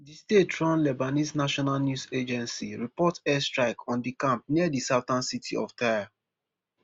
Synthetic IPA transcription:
distetɹɔ̃nlɛbanisnaʃɔnalnjused͡ʒɛ̃nsiɹipɔtɛstɹaɪkʰɔ̃ndikãmp̚niadisaʊtãnsitʰiɔ̰ftaja

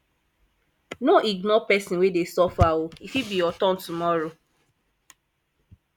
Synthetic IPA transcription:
noʔiɡnɔpɛsĩnwedesɔfaoifibijɔtɔ̃ntumɔɹo

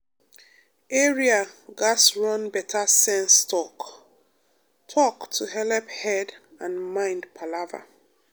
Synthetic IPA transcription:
ɛɹiaɡasɹɔ̃nbɛtʰasɛ̃nstʰɔk | tʰɔktʰuɦɛlɛphɛd | ãnmãɪ̃ndpʰalava̰

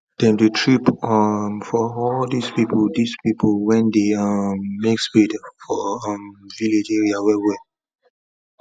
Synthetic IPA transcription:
d̥ɛ̃mdutʰɹipʌmfɔɔldispipəldispipʰolwɛ̃ndeʌmːekspidfɔʌmviled͡ʒeɹiawɛwɛ

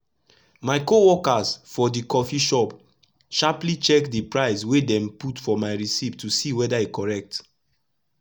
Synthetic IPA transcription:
maɪkowɔkasfɔdikɔfiʃɔp | ʃaplit͡ʃɛkdipɹaɪswedɛ̃mputfɔmaɪɹisiptʰusiwɛdaekɔɹɛk̚t

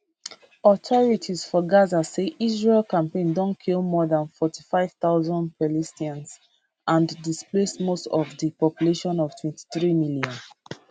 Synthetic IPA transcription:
ɔtʰɔɹitʰizfɔɡazaseʔizɹelkãmpẽndɔ̃nkʰilmɔðãnfɔtʰi̥faɪv̥θaʊzɔ̃ndpɛlistiãns | ʔãndisplesmostɔvðəpɔpjuleʃɔ̃nɔv̥tʰwɛ̃nti̥θɹimiljɔ̃n

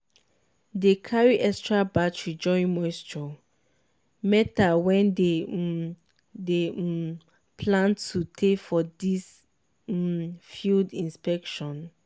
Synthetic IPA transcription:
dekʰaɹiʔɛkstɹabatɹid͡ʒɔ̃ɪ̃nmɔjstɹɔ | mɛtawɛ̃nde | de | pʰlãntʰːutʰefɔdis | fildĩnspɛkʃɔ̃n

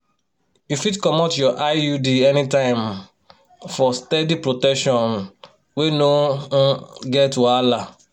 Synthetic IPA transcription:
jufidkɔmɔtjɔʔajudiɛnitãɪ̃m | fɔstɛdipɹotɛkʃɔ̃n | weno | ɡɛtwala

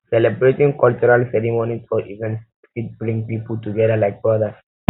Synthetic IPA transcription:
sɛlɛbɹetĩŋkɔlt͡ʃuɾalsɛɾimonisɔʔivɛ̃ns | kit̚bɹĩŋpipəltuɡɛdalajk̚bɹɔdas

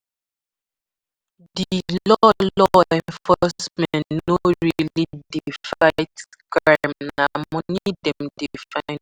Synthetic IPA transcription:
dillɔllɔɛ̃nnfɔsmɛ̃nnnoɹilidifaɪt | kɹamnamɔnidɛ̃mdifãɪ̃n

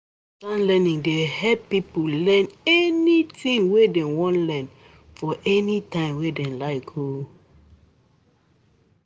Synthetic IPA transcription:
tãnlɛnĩŋdehɛpipolɛ̃nɛnitĩŋwedɛ̃wɔ̃nlɛ̃n | fɔʔɛnitãɪ̃mwedɛ̃laɪkho

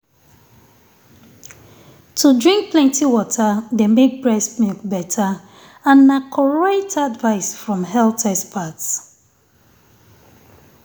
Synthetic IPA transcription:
tʰudɹĩŋk̚plɛ̃ntiwɔtʰədemek̚bɹɛsmukbɛtʰa | ãnːakʰɔɹaɪtʰadvaɪsfɹɔ̃mɦɛltʰɛspʰats

